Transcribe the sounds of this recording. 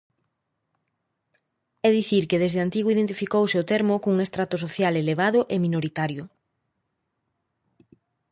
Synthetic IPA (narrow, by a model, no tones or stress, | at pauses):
ɛðiθiɾkeðezðeant̪iɣoiðent̪ifikowseot̪eɾmʊkuŋest̪ɾat̪ʊs̬oθjaleleβ̞aðʊʔemĩnoɾit̪aɾjʊ